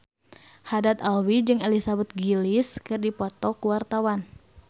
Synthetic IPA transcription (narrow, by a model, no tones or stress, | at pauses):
hadat̪alwid͡ʒɨŋelisabɛt̪̚ɡiliskɨrdipɔt̪ɔkuwart̪awan